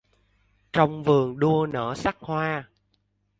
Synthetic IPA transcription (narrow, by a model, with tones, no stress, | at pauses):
t͡ɕɔ˧wŋ͡mvɨ˨˩əŋɗu˧ənə̰ː˧˩sa˦˥k̚hwaː˧